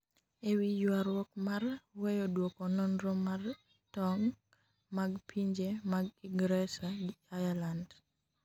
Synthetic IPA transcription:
ewijwaɾwɔkmarwejɔdwɔkɔnonɾɔmar | tɔŋ | maɡpʰiɲd͡ʒemaɡiɡɾɛsaɡiajaland

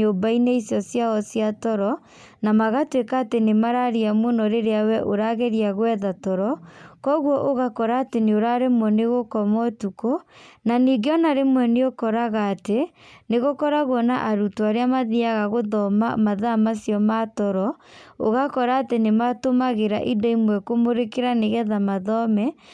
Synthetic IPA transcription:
obaineisjɔsjaɣɔsjatɔɾɔ | namaɣatwekaːtenemaɾaɾiamwonɔɾeɾeawɛʔoɾaɣeɾiaɣwɛðatɔɾɔkɔɣwɔʔoɣakɔɾaːteneoɾaɾemwɛneɣokɔmɔtukonaniɡeɔnaɾemwɛneokɔɾaɣaːteneɣokɔɾaɣwɔnaʔaɾutwaɾeamaðiaɣaɣoðɔmamaðamasijɔmatɔɾɔo̰ɣakɔɾaːtenematomaɣeɾaʔidɔimwɛkomoɾekeɾaneɣɛðamaðɔmɛ

